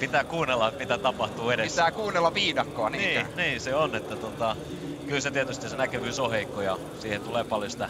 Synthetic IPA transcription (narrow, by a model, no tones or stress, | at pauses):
pit̪æːkuːnelːɑmit̪æt̪ɑpɑht̪uːeɾest̪æːkuːnːelːɑʋʋiːdɑkːoɑninːiːniːseonet̪ːæt̪ot̪ɑ | kylset̪iæt̪yst̪isenækyʋyːsoheikːojɑ̰ | siːhet̪uleːpɑljosi̥t̪æ